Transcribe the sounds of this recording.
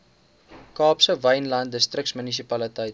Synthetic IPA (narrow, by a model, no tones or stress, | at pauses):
kɑːpsəvəjnlɐnt̚dəstrək̚smənis̬ipɐlətəjt̚